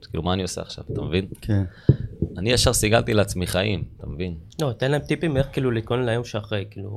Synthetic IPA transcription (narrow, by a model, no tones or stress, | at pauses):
kḭːlumaːnio̞sḛa̰χʃa̰vat̪amevinkenanijaʃaʁsiɡalt̪ileat͡smiχaimt̪amevinlot̪enlaemt̪ipimeχkiːlulit̪̚konleajo̞mʃeaχʁejkiːlṵ